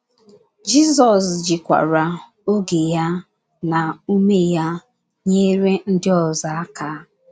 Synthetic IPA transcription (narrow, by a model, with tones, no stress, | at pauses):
d͡ʒi˦zɔ˨sd͡ʒɪ˨kʷa̰˨ɾa˨ | o˦ɡe˨ja˦ | na˨u˦me˦ja˦ | ɲe˦ɾe˦n̩˦dɪ˦ɔ˨za˦a˦ka˨˦